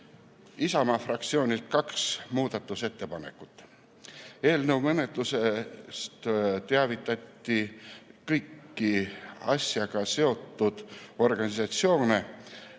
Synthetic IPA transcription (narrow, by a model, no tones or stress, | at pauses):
isɑmɑfrɑk̚t̪sio̞ːnʲilt̪̚kɑksmuːd̪̥ɑt̪ːˑuse̞t̪ːe̞pɑne̞kːˑut̪ːˑ | e̞ːlnəwmɤnet̪ːˑusest̪t̪eɑvit̪ːˑɑt̪ːikɤjkːiɑ̰sjɑɡ̥ɑse̞o̞t̪ˑːud̪̥o̞rɡ̥ɑnisɑt̪sio̞ːne